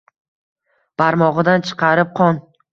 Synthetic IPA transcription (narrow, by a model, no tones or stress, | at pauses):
paɾmɒʁɨd̪ant͡ʃʰɨ̥qʰɑɾɪp̚qʰɒn